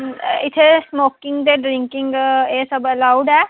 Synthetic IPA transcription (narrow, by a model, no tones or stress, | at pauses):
ɪt̪ʰesmoːkɪ̃ŋɡd̪eɖɾɪ̃ŋkɪ̃ŋɡesəbəlaʊɖɛː